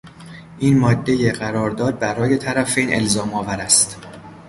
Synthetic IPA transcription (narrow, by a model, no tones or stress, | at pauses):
ʔiːnmɒːd̪ːe̞jeɢæɾɒːɾd̪ɒːd̪̚bæɾɒːje̞t̪ʰæɾæfenʔe̞̰lzɒːmɒːvæɾæst̪